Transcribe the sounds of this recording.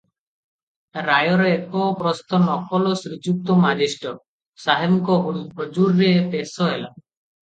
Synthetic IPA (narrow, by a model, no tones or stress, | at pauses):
ɾajɔɾeekɔpɾɔst̪ɔnɔkɔlɔsɾid͡ʒuk̚t̪ɔmad͡ʒiʃʈɔ | saɦemkɔɦɦod͡ʒuɾːepesɔɦela